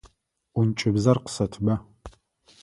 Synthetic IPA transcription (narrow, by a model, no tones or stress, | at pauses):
ʊnt͡ʃʼɪbzɐrqsɐtʰbɐ